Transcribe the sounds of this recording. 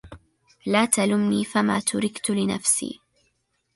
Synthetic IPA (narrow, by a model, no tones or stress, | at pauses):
laːt̪alʊmniːfamaːt̪ʊɾɪkt̪ʊlɪna̰fsḭː